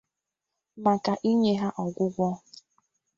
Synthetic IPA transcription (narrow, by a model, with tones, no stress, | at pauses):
ma˨ka˨ʔi˦ɲe˦ɦa˦ʔɔ˨ɡʷʊ˦ɡʷɔ˦